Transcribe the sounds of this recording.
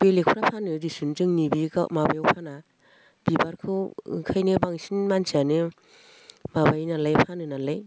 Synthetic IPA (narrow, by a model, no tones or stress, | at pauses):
b̥elek̚ʰɾapʰanɯdisuntɯŋnibika̰mabajwpʰana | b̥ibaɾkʰɯwkʰajnɯbaŋsinmansianɯ | mabajnalajpʰanɯnalaj